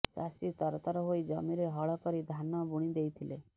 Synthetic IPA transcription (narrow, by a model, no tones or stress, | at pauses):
sa̰sit̪ɔɾɔt̪ɔɾɔɦojd͡ʒɔmiɾeɦɔɭɔkɔɾid̪ʱanɔbuɽ̃id̪ejt̪ʰile